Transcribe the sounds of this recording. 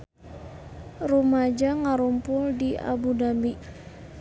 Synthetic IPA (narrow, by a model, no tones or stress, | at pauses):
rumad͡ʒaŋaɾumpʊldia̰budambi